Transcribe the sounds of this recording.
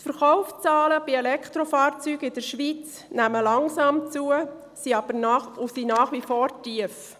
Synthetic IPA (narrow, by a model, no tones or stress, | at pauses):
tfəɾχɔʊft͡sɑːləb̥iɛlɛkʰt̪ɾofɑːɾt͡syːɡɪd̥əɾʃʋit͡s | næməlɑŋsɑːmt͡suə | siɑb̥əɾnɑusinɑːχʋifɔːɾtiəf